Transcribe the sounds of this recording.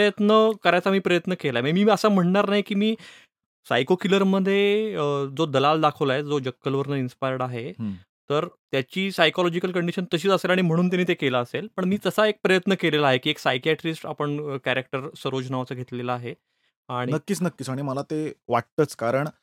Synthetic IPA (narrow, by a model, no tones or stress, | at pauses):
əjət̪nəkəɾajt͡samiːpɾəjət̪nəkelaeməmiːəsam̤əɳnaɾnaɦjkiːmiː | sajkokiləɾməd̪ʱːjed͡zod̪əlald̪akʰəʋlaɦed͡zod͡ʑəkːəlʋəɾnəinspajəɽaɦeɦ | t̪əɾt̪jat͡ɕiːsajkɔlɔd͡ʑikəlkəɳɖiɕənt̪əɕiːt͡səselaɽ̃im̤əɽ̃uːnt̪janːiːt̪̬ekelaːselpəɳmiːt̪əsaek̚pɾəjət̪nəkelelaːɦekiːeksajkiaʈɾisʈa̰pəɳkæɾek̚ʈəɾsəɾod͡ʑnaʋat͡səɡʱet̪lelaːɦe | aɽ̃inəkːiːt͡snəkːiːt͡saɽ̃iməlat̪eʋaʈt̪ət͡skaɾəɳ